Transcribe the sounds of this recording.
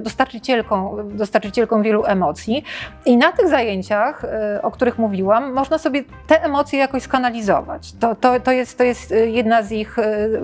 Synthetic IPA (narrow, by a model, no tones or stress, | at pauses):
d̪ɔst̪aɾt͡ʂɨt͡ɕɛlkɔ̃w̃d̪ɔst̪aɾt͡ʂɘt͡ɕɛlkɔ̃w̃vʲjɛluʔɛmɔt̪sʲjiinat̪ɘɣzajeɲt͡ɕaxɔkt̪uɾɘxmuvʲiwamːɔʐnasɔbʲjɛ | t̪ɛʔɛmɔt̪sʲjɛjakɔ̃ɕskanalʲizɔ̰va̰t͡ɕt̪ɔt̪ɔt̪ɔjɛst̪t̪ːɔjɛst̪jɛd̪nazix